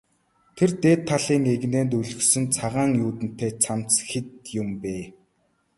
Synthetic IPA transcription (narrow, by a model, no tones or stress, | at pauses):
t̪ʰert̪eːt̪ʰːaɮiːŋeɣneːnt̪̬uɮɵ̆xsɵ̆nt͡sʰaʁaːŋjuːt̪ɘ̆n̥t̪eːt͡sʰamt͡sxet̪jʊmpeː